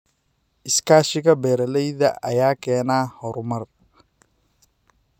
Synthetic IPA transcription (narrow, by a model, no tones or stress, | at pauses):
ʔɪskaːʃɪɣɐbɛːɾɐlɛjðɐ̰ʔɐ̰jaːkʰɛːnaːhɔɾʊmɐr